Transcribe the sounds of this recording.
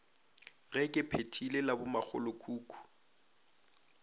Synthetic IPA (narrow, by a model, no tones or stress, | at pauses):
ɣɛkʼɪpʰetʰilelabʊmak͡xʰʊ̰lʊkʰuːkʰʼu̥